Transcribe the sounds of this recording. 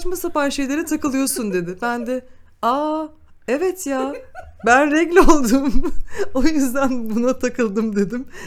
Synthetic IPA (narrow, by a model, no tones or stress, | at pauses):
t͡ʃmasapanʃe̞jlʲe̞ɾit̪ʰakɯlˠɯjo̞sund̪e̞d̪ɪbænd̪ɛ | a | evɛt̪jabænɾɛɡlʲolˠd̪umo̞jyzd̪ænbunat̪ʰakɯlˠd̪ɯmd̪e̞d̪im